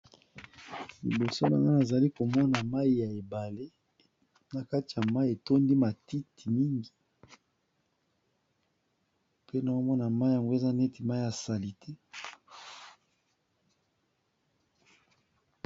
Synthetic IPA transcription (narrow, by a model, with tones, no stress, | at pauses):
lḭ˨bo˨so˦na̰˨ŋɡa˦na˨za˨li˦ko˨mɔ˦na˨ma˦i˨ja˨e˨ba˨le˦ | na˨ka˦ti˨ja˨ma˦i˦e˨to˦ndi˦ma˨ti˦tʰi˨mi˦ŋɡi˨ | pe˦na˨o˦mɔ˦na˨ma˦i˦ja˨ŋɡo˦e˨za˦nɛ˦ti˨ma˦i˦a˨sa˨li˨tʰɛ˦